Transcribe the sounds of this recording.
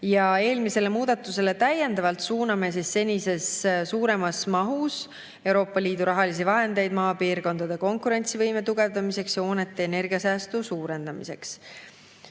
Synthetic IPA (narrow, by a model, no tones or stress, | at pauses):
jɑe̞ːlmise̞le̞muːd̪̥ɑt̪ːˑuse̞le̞t̪æjːe̞nd̪̥ɑvɑlt̪suːnɑme̞s̬isːe̞nʲise̞ssuːɾe̞mɑsmɑɦus | e̞wɾo̞ːpːˑɑliːd̪uɾɑɦɑlis̬ivɑɦe̞nd̪e̞jd̪mɑːpiːɾko̞nd̪ɑd̪e̞ko̞ŋkuɾe̞nʲt̪sivɤjmet̪uɡ̥e̞vd̪ɑmise̞ksjɑo̞ːne̞t̪ˑːe̞ːne̞rɡ̥iɑsæːst̪usuːɾe̞nd̪̥ɑmise̞ks